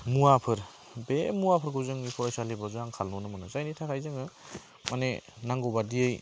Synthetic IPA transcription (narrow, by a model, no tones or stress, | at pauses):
muapʰɯɾ | bemuwapʰɯɾɡɯwzɯŋipʰɔɾajsalibazuaŋkʰalnɔnɯmɯnɯzajnitʰakʰajzɯŋɯ | manenaŋɡobadiej